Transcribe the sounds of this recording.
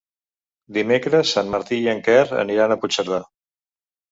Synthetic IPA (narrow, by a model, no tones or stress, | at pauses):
d̪imekɾəsːanməɾt̪ijəŋkɛrə̰niɾanəput͡ʃəɾða